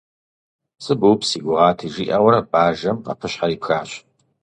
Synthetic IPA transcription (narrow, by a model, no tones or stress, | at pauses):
sɨbuwpʰsiːɡʷʊʁɑːtʰiʒiːʔawɐɾɐbaːʒɐmqa̰pʰɨɕħaɾiːpxaːɕ